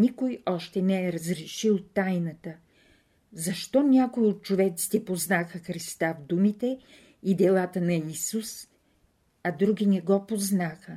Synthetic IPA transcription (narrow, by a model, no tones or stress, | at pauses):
nikojɔʃt̪ɛnɛɛɾəzɾɛʃilˠt̪ajnət̪ə | zɐʃt̪ɔnʲjakojiot̪̚t͡ʃovɛt̪si̥t̪ɛpoznaxəxɾist̪avd̪umit̪ɛ | id̪ɛlˠat̪ənɐisus | ɐd̪ɾuɡʲinɛɡɔpoznaxə